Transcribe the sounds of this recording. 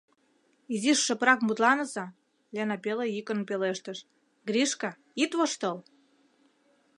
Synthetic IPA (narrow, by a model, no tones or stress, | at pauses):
iziʃːə̆pɾɑkmut̪lɑnə̆zɑ | lʲenɑpelejikə̆npeleʃt̪ə̆ʃ | ɡrʲiʃkɑ | it̪βoʃt̪ɤl